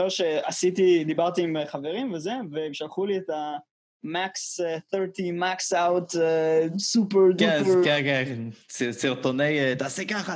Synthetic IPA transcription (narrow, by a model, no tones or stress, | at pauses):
eʁʃeasit̪id̪ibaʁt̪iːmeχave̞ʁimvezeveːmʃalχuliet̪a | maksθeʁtimaksawt̪esupeʁdkeupkekesisiʁt̪onejt̪aːsekaχa